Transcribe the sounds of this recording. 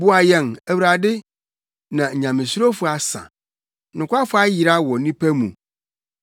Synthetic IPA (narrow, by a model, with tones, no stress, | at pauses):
bʊ˦a˨jɛ˨næ˨wɾa˨dɪ˦ | nã˨ɲã˨mɪ̃˨sɾo˦fʊ˦a˨sã̰˨ | nʊ̃˨kʷa˦fʊ˦a˦ji˨ɾa˦wɔ˨nĩ˦pʰæ˦mṵ̃˨